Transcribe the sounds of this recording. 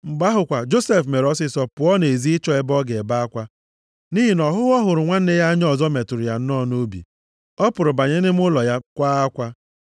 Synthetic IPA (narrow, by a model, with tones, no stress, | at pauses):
ŋ͡m̩˨ɡ͡ba˦ɦʊ˨kʷa˨d͡ʒo˦se˦fme˨ɾɔ˦sɪ˦sɔ˦pʊ˨ɔ˦ne˨zi˦ɪ˦t͡ʃɔ˦e˦bɔ˦ɡe˨ba˦a˦kʷa˦ | ni˦ɦi˨nɔ˨ɦʊ˦ɔ˦ɦʊ˨ɾʊ˨ŋʷa˦n̩˦ne˦ja˦ɲ˦ɔ˦˨zɔ˦me˨tʊ˨ɾʊ˨ja˨n̩˦nɔ˦˨no˦bḭ˨ | ɔ˦pʊ˨ɾʊ˨ba˨ɲe˦nɪ˦m˦ʊ˦lɔ˨ja˦kʷa˦a˦kʷa˦